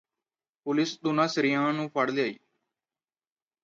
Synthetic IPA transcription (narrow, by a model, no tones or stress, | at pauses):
pʊlɪsd̪ʊnãːsəɾɪjãːnũːpʰəɽljaːḭː